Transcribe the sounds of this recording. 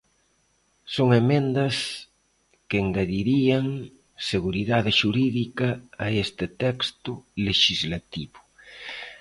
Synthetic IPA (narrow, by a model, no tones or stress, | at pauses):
soŋemẽnd̪ɐs | keŋɡaðiɾiɐŋ | seɣuɾiðaðɪʃuɾiðikɐːest̪ɪt̪ɛkst̪ʊleʃizlat̪iβʊ